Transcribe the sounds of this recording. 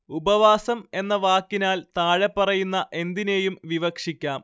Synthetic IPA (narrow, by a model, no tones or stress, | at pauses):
ubɐʋaːsɐme̞nːɐʋaːkːinaːlt̪aːɻepːɐrɐjunːɐʔe̞nd̪ine̞ːjumʋiʋɐkʂikʲːaːm